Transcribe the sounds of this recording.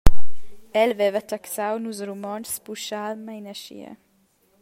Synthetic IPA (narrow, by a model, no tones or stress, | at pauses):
ɛlvɛvət̪aksawnusɾumɔnspuʃalmajnəʃḭə̰